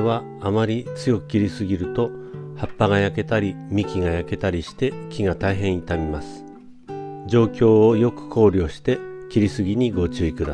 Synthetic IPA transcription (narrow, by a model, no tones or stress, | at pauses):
βa | amaɾʲit͡sɨjo̞kɯ̟̥kʲiɾʲisɨɡʲiɾɯ̟t̪o̞hapːaɡajake̞t̪aɾʲimʲikʲiɡajake̞t̪aɾʲiɕi̥t̪e̞kʲiŋat̪aiɦẽ̞ɰ̃it̪amʲimasɨ̥ | d͡ʑo̞ːkʲo̞ːjo̞kɯ̟̥kʰo̞ːɾʲo̞ːɕi̥t̪e̞kʲiɾʲisɨɡʲiɲ̟iɡo̞t͡ɕɨikɯ̟d̪a